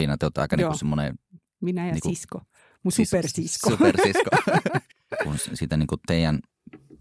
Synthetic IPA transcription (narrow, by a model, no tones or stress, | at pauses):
inɑt̪eot̪ːɑ̰ˑekɑniusemːonḛ | ʋinæjniːksuisko | musupersiskoupersisko | kunssiːt̪æniːŋkut̪eˑijæn